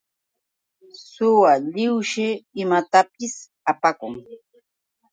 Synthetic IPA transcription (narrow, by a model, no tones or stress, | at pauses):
sʊwaʎɪwʃɪɪmat̪apɪs | apakʊŋ